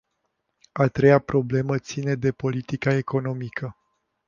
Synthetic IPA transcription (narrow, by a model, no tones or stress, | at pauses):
at̪ɾe̞japɾo̞ble̞mət̪sine̞d̪e̞po̞lit̪ikae̞ko̞no̞mikʰə